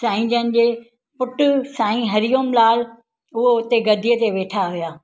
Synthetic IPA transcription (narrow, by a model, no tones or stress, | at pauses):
sãːĩd͡ʑənɪ̆d͡ʑeː | pʊʈʊ̆sãːĩɦɐɾijoːmlaːl | ʊɦoʊt̪eɡɐd̪ʱijət̪eʋeːʈʰaɦijaː